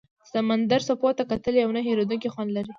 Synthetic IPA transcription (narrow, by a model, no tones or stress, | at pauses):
samand̪aɾsopɑt̪akat̪əleawnaɦeɾod̪unkixɑnlaɾi